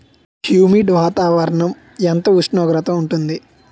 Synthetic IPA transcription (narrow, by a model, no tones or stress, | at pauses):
hjuːmiːɖʋaːt̪aːʋɐɾɐɳɐm | ɛnt̪ɐuʂɳɔːɡɾɐt̪ɐmuɳʈund̪i